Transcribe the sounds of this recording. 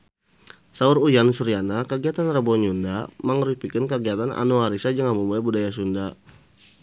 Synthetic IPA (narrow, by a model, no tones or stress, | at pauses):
sauɾujansuɾianakəɡiat̪anrəbɔɲundaməŋɾupikənkəɡiat̪ana̰nuaɾisad͡ʒəŋamumuabudajasunda